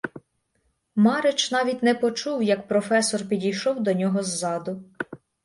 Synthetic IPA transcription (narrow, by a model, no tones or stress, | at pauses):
mɑɾet͡ʃnɑʋʲit̚ʲnɛpɔt͡ʃuwjɐkpɾɔfɛsɔrpʲidʲijʃɔwd̪ɔnʲɔɦɔzːɑd̪ʊ